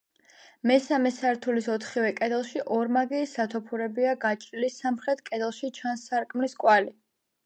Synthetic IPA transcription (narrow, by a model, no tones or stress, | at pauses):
mɛsamɛsaɾt̪ʰulisɔt̪ʰχivɛkʼɛd̪ɛlˠʃiʔɔɾmaɡiːsat̪ʰɔpʰuɾɛbiaɡat͡ʃʼɾilisamχɾɛt̪̚ʰkʼɛd̪ɛlˠʃit͡ʃʰansːaɾkʼmliskʼwali